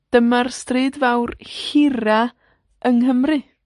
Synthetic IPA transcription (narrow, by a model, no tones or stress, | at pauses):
d̥əmarstrɨːdvawrhɪra | əŋhəmrɨ